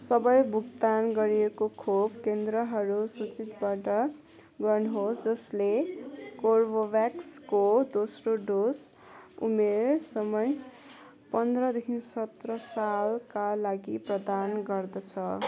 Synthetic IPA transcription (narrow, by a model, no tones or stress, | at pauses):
sʌbʌjbʱuɡt̪anɡʌɾiekokʰobkend̪rʌɦʌɾusut͡sit̪baʈʌ | ɡʌrnuɦosd͡zʌslekorbobjakskod̪osroɖos | ṵmersʌmʌj | pʌnd̪rʌd̪ekʰinsʌt̪rʌsalkalaɡiprʌd̪anɡʌrd̪ʌt͡sʰʌ